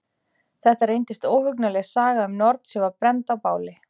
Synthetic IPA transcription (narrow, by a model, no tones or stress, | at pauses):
θɛht̪aɾejnt̪ɪst̪oːwhʏknalɛɣsaːɣaʏmnɔɾt̪sɛvaɾpɾɛnt̪awpaːwlɪ